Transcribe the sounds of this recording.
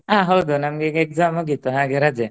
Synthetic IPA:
ãɦowd̪ɔnamɡɛkɛk̚zamɔɡit̪ɔɦãɡɛɾad͡ʒɛ

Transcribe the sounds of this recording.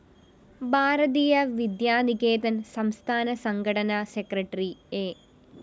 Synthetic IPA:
bʱaːɾɐðijɐʋid̪jaːniɣeːd̪ɐnsɐmst̪ʰaːnɐsɐŋɡɐɽɐnɐsekrɐʈːrieː

